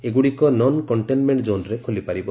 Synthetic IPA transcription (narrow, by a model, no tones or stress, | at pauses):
eɡuɽikɔnɔnkɔɳʈenmeɳʈd͡ʒonɾekʰolipaɾibɔ